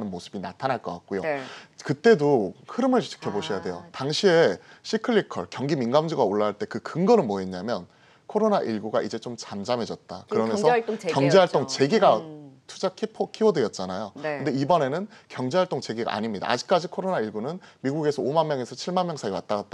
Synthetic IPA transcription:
nɯnmosʰɯbinatʰanaɭk͈ʌk͈ak̚k͈ojokɯt͈e̞dohɯɾɯmɯɭt͡ɕt͡ɕʰi̥kʰjʌboɕʰijade̞jo̰taŋɕʰie̞ɕʰikʰɯɭːikʰʌɭkjʌŋɡiminɡamd͡ʑiɡaoɭːaɦaɭt͈e̞kɯkɯŋɡʌnɯnmwʌeɲːamjʌn | kʰoɾonaʔiɭɡuɡaʔid͡ʑe̞t͡ɕomt͡ɕand͡ʑame̞d͡ʑʌt̚t͈a̰kɯɾʌmennsʰʌkjʌŋd͡ʑeɦaɭ͈oŋt͡ɕe̞ɡiɡatʰud͡ʑakʰipʰʌkʰiwʌdɯjʌt̚t͡ɕ͈anajokɯnde̞ibʌne̞nɯnkjʌŋd͡ʑeɦaɭt͈oŋt͡ɕe̞ɡiɡa̰ʔa̰ɲimɲida̰a̰d͡ʑi̥k̚k͈ad͡ʑikʰoɾonaiɭɡunɯnmiɡuɡe̞sʰʌomanmjʌŋe̞sʰʌt͡ɕʰiɭmanmjʌŋsʰaiwat͈aɡat̚t͈a

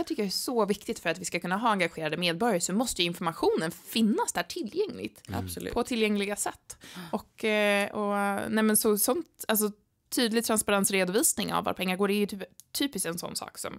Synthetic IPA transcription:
æt̪ʰʏkːəjaɛsɔvɪkt̪ɪt̪fœɾat̪vɪskakʰɵnːaɦɑːaŋɡaɧeːɾad̪əmeːd̪̚bɔɾjaɾsɔmɔst̪əjɵɪnfɔɾmaɧuːnənfɪnːasd̪æːʈʰɪljɛŋlɪ̰ɡ̚t̪a̰spʰɔt̪ʰɪljɛŋlɪɡasɛt̪ːɔkɔnɛmɛnsɔsɔnt̪als̬ɔ | t̪ʰːyːd̪lɪɡt̪ʰɾanspaɾansɾeːd̪ʊviːsnɪŋa̰vo̰ːɾpʰɛŋːaɾɡoːɖɛæɾjɵt̪ʰyːt̪ʰyːpɪst̪ɛnsɔ̰nːsɑ̰ːksɔ̰m

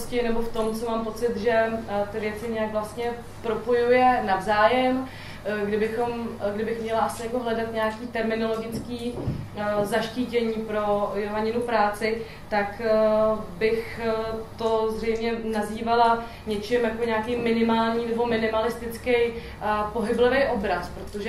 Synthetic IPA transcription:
scɪnɛbo̞ft̪o̞mt͡somaːmpo̞t͡sɪt̪ʒɛt̪ɪvjɛt͡sɪɲɛjakvlast̪ɲɛ | pɾo̞po̞jujɛnavzaːjɛm | ɡdɪbɪxo̞mɡdɪbɪxmɲɛlaʔasɪjakoɦlɛdat̪ɲɛakiːt̪ɛɾmɪno̞lo̞ɡɪt͡skiː | zaʃciːcɛɲiːpɾo̞joɦaɲɪnupɾaːt͡sɪ | t̪ak | bɪxt̪o̞zrɛjmɲɛnaziːvala | ɲɛt͡ʃɪmjakoɲaːkɛjmɪnɪmaːlɲiːnɛbo̞mɪnɪmalɪst̪ɪt͡skɛj | po̞ɦɪblɪvɛjʔo̞bɾaspɾo̞t̪oʒɛ

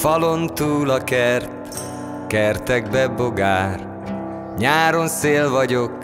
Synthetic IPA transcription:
fɒlont̪uːlɒkɛrt̪ | kɛrt̪ɛɡ̚bɛbo̞ɡaːr | ɲaːɾo̞nseːlvɒɟo̞k

